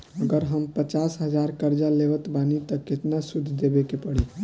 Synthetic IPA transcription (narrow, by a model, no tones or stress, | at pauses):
əɡəɾɦəmpət͡ʃasɦəd͡ʒaɾkəɾd͡ʒalebət̪banit̪əket̪nasud̪ʱd̪ebekepəɽi